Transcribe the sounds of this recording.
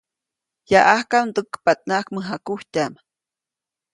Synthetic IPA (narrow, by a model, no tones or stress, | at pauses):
jaʔahkamd̪ukːpat̪̚nakməɦakuht̪am